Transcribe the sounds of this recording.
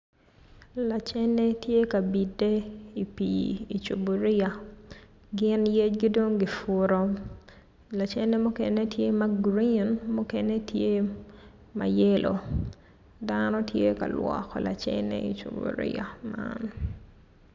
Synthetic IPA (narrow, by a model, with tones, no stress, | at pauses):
la˨t͡ʃɛ˦ne˦tje˦ka˨bi˨de˦i˨pii˨t͡ʃo˨bo˨ɾɪ˦a˨ | ɡɪ˦nje˦t͡ʃɡi˦do˦ŋɡɪ˨fu˨ɾo˨ | la˨t͡ʃɛ˦ne˦mu˦kɛne˦tje˦ma˦ɡɾi˨nmu˦ke˦ne˦tʰje˦ | ma̰˨je˦lʔo̰˨ | danɔ˦tʰje˦ka̰˨lwɔ̰kɔ̰˨la̰˨t͡ʃɛ̰nḛḭ˨t͡ʃo̰˨bṵ˨ɾɪ̰˦a̰˨ma̰n